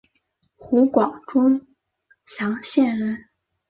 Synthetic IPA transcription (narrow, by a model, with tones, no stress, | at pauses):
xu˧˥kwɑ˨˩ŋʈ͡ʂʊ˥ŋ | ɕjɑ˧˥ŋɕjɛ˥˩nɻə˧˥n